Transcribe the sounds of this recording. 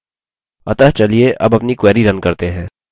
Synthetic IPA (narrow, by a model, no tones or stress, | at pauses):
ɐt̪ɐɦt͡ʃɐlieʔɐbɐpnikwɛːɾiɾɐ̃nkɐɾt̪eɦɛ̃ː